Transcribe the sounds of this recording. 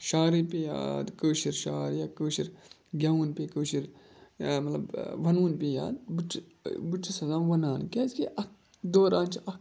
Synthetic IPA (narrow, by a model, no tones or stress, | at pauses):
ʃaːɾipeja̰ːd̪koːʃiɾʃaːɾjakoːʃiɾ | ɡʲauːnpekoːʃiɾ | mɐt̪lɐbʋɐnuːnpeja̰ːd̪but͡ʃ | but͡ʃːisɐzaːmʋɐnaːnkeskeʔɐk | d̪oːɾãːnt͡ʃʰiɐk